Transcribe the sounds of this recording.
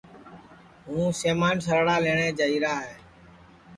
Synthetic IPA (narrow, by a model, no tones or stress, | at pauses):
ɦũːseːmaːnsəɾɽaːleːɳ̃ẽːd͡ʒəiːɾaːɦeː